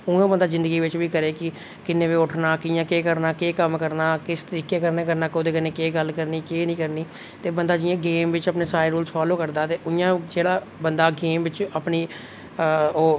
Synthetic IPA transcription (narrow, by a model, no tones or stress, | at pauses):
ʊ̃ãːbənd̪aːzɪ̃nd̪əɡiːʋɪt͡ʃʋiːkəɾeːkɪ | kɪnːẽːʋeːʊʈʰnaːkɪjãːkeːkəɾnaːkeːkəmkəɾnaːkɪst̪əɾiːkeːkəɾneːkəɾnaːkoːd̪eːkəneːkeːɡəlkəɾniːkeːnĩːkəɾniː | t̪eːbənd̪aːd͡ʒɪjãːɡeːmʋɪt͡ʃəpneːsaːɾeːɾuːlsfʰaːloːkəɾd̪aːt̪eːʔʊjãːd͡ʒeːɽaː | bənd̪aːɡeːmʋɪt͡ʃəpniː | oː